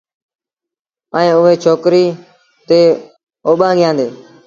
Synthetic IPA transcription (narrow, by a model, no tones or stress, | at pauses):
əːẽːʊɦeːt͡ʃʰoːkɾiː | t̪eː | oːɓãːɡɪjãːnd̪ḛː